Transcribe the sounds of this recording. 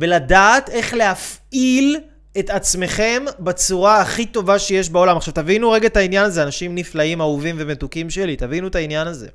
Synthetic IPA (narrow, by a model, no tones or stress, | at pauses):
beladaːte̞χleɦafil | e̞tat͡sme̞χe̞mbet͡suʁaːχit̪o̞vaʃejeʃ̬baolamaχʃavt̪avinuʁeɡatainjanazeanaʃimniflaimauvimve̞metukimʃelit̪avinuetainjanazḛ